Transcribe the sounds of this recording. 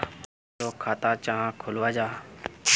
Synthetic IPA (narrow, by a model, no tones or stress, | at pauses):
soːkʰaːt̪aːt͡ʃaːãːkʰʊlʋaːd͡ʒaː